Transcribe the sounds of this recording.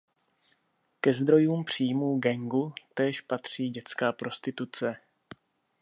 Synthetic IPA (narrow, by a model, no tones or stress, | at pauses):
kɛzd̪ɾo̞juːmpr̝̥iːmuːɡɛŋɡut̪ɛːʃpat̪r̝̥iːɟɛt͡skaːpɾo̞st̪ɪt̪ut͡sɛ